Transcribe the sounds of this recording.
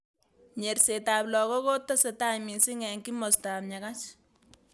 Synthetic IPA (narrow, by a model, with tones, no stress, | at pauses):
ɲe˨rsetaːplɔ˨kɔ˦ko˦tːa˦setaɲmi˨si˦ŋɛ˨ŋki˦mo˨sta˨p̚ɲaka˦t͡ʃ